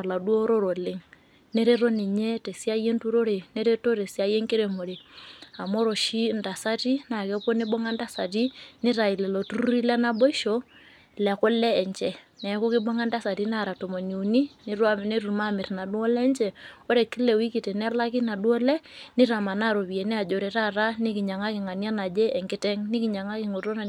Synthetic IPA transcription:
la˨dwo˦ɾo˦ɾo˨le˨ŋ | ne˦ɾe˦ɾo˦ni˨ɲe˦te˨si˦a˦je˦ntu˦ɾo˦ɾe˨ne˦ɾe˦to˦ɾe˨si˦a˦je˦ŋke˦ɾe˨mo˨ɾe˨a˨mɔ˦ɾɔ˨ʃi˦nda˨sa˦ti˦na˨kɛ˦pɔ˦nɪ˦bɔ˦ŋa˦nda˦sa˨ti˦nɪ˦ɾa˨i˨lɛ˨lɔ˨tu˦ɾu˦ɾi˦lɛ˦na˦bɔ˦i˦ʃo˦ | lɛ˨kɔ˦lɛː˦˨ɲt͡ʃɛ˨ | nɛ˨˦ko˦kɪ˦bɔ˦ŋa˦nda˦sa˨ti˦n˦a˦˨ɾa˨to˨mo˨ni˨u˨ni˦nɪ˦ɾwa˦m˨ne˦ɾu˨ma˦˨mɪ˨tna˨du˦ɔ˦lɛ˦nt͡ʃɛ˨o˦ɾe˨ki˦lɛ˨wi˦ki˨te˨nɛ˦la˦ki˦na˨do˦lɛ˦nɪ˦ɾa˨ma˨na˦˨ɾo˨βi˨e˨nɛ˦a˨d͡ʒo˨ɾe˨ɾa˦˨ɾa˦nɪ˦kɪ˨ɲa˨ŋa˦kɪ˨ŋa˨nja˦na˨d͡ʒeː˦˨ŋkɪ˦tɛ˦ŋnɪ˦kɪ˨ɲa˨ŋa˦kɪ˨ŋo˨to˦na˨

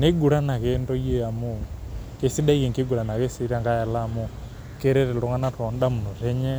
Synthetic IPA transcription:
ne˦ɡu˨ɾa˦na˨ke˦ndɔ˦jɛ˦ja˨mu˦ke˦si˦da˦ke˨ŋke˦ɡu˨ɾa˨na˨ke˦si˦ɾa˦ŋɡa˦ja˨la˦mo˦ | ke˦ɾɛ˦ɾɛ˨lɔ˨˦ŋa˦na˦tɔ˨nda˦mu˨nu˨ɾɛ˦ɲɛ˦

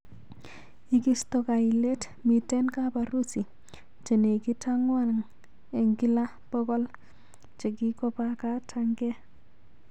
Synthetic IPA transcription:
i˦ki˦sto˨ka˨i˨le˦t | mi˨tɛ˦nka˦pa˨ɾu˦si˨ | t͡ʃe˨ne˨ki˦ta˦ŋwa˦na˨ŋ | e˨ŋɡi˦la˦ | pɔ˦ɡɔ˦l | t͡ʃe˨ki˦kɔ˦pa˦ka˦tʰaŋɡɛ˦

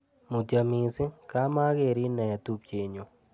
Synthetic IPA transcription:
mu˨ta˨mi˨sɪ˦ka˦ma˦ɡe˨ɾi˦nɛ˨t̪u˦p̚t͡ʃe˨ɲo˨

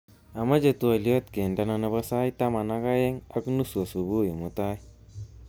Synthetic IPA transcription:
a˨ma˦d͡ʒe˨t̪u˦a˨li˦o˦t̪ke˨nda˨˦na˧na˦ba˦sa˦jt̪a˦ma˨na˦ka˦je˦ŋa̰˦knu˦su˨a˨su˨bu˦˨ji˨mu˦t̪a˦j

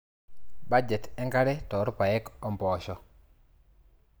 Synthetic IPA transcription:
ba˦d͡ʒɛ˨tɛ˦ŋɡa˦ɾɛ˦tɔ˨˦ɾpa˨jɛ˦kɔ˨mpɔ˨ʃɔ˦

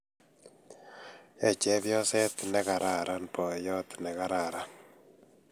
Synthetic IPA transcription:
ɛ˨t͡ʃɛ˦βjɔ˦sɛ˦t̪nɛ˦ka˨ɾa˨ɾa˦npɔ˨jɔ˦t̪nɛ˨ka˦ɾa˨ɾa˦n

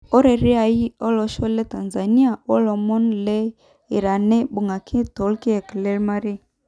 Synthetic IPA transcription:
ɔ˦ɾe˨ɾi˦a˨i˦ɔ˦lɔ˨ʃɔ˦le˦ta˨nza˨ni˦a˨ɔ˦lɔ˨mɔ˦nle˦ | i˨ɾa˨ne˦bu˨ŋɡa˨kʰi˦to˨˦lki˦ɛ˨klɛ˦ɾma˦ɾi˦

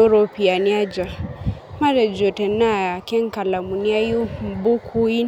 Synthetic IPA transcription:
o˦ɾɔ˦pi˨a˨ni˦a˦d͡ʒa˨ | ma˦ɾɛ˨d͡ʒɔ˨tɛ˨na˦˨ja˨kɛ˦ŋ̩˦ka˨la˨mu˨ni˦a˦ju˦m̩˨bu˦kʰu˦i˦

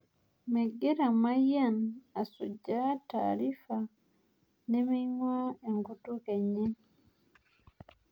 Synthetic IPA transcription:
mɛ˨ɡe˦ɾa˨ma˦ja˦na˨su˨d͡ʒa˦ta̰ːɾi˦fa˨ | nɛ˦mi˦ɲwa˦e˨ŋɡu˦tu˦kɛ˨ɲɛ˦

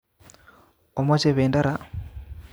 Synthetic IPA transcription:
o˨mo˦t͡ʃe˨βeː˨nda˦ɾa˦

